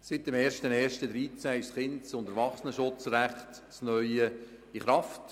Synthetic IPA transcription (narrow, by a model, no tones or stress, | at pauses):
sɪt̪̚ːəmɛːɾʃtənɛːʃtəd̪ɾiːt͡sæːɪʃsχɪntsʊndəɾʋɑχsənəʃʊt͡sɾæχt | snœʏə | iχɾɑft